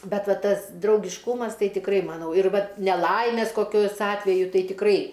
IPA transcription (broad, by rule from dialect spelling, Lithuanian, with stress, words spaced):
ˈbʲɛt ˈʋɐ ˈtɐs drɐʊɡʲɪʃˈkuːmɐs ˈtɐɪ tʲɪkˈrɐɪ mɐˈnɐʊ ɪr ˈʋɐt nʲɛˈlˠɐɪmʲeːs koːˈkʲoːs ˈɑːtʲʋʲɛjʊ ˈtɐɪ tʲɪkˈrɐɪ